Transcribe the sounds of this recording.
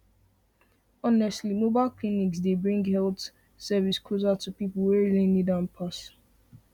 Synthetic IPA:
ɔnɛstlimobaɪlkliniksdebɹĩŋɡhɛlt | sɛviskʰozatupipl̩wɛɹilinidãnpʰas

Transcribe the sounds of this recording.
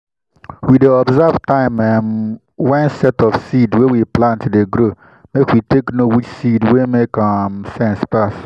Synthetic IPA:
wideɔbzavtãɪ̃mɛn | wɛ̃nsɛtɔfsidwɛwiplãntdeɡɾo | mekwitʰeknowit͡ʃsidwemekamsɛ̃nspas

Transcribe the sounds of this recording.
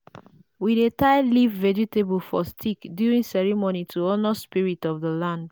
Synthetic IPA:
widetaɪlivːɛd͡ʒitebulfɔstʰikdjuɹĩŋsɛɹimonitʰuɔnəspiɹitɔvðəlãnd

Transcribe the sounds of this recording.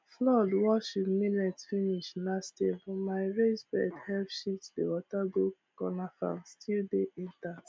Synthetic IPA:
flɔdwɔʃidminɛtfiniʃlastefɔmaɪɹezbɛ̰dhɛlpʃitdḛwɔtabok | kɔnafã̰nstʰildeʔɛ̃nta

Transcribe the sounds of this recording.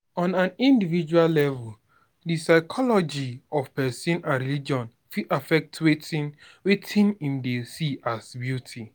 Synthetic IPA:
ɔ̃nãnĩndivid͡ʒuallɛvul | disaɪkʰɔlɔd͡ʒiɔvpɛsĩnãɹilid͡ʒɔ̃n | fiʔafɛk̚tʰwet | wetʰĩnĩmdesiʔasbjutʰi

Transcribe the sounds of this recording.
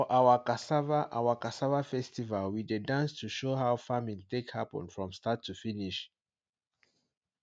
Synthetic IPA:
fɔʔawəkasavaʔawəkasavafɛstivalwidedãnstuʃoɦaʊfamĩŋtekhapɔ̰̃nfɹɔ̃mstatʰːufiniʃ

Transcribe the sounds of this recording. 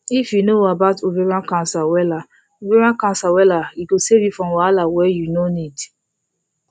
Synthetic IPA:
ifjunoabatoveɾãnkãnsawɛla | oveɾãnkãnsawɛlaiɡosevjifɾɔ̃mwalawɛjunonid

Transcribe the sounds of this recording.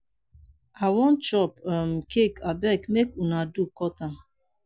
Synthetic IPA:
awɔnt͡ʃɔpamkʰekabɛkmekunadukɔtam

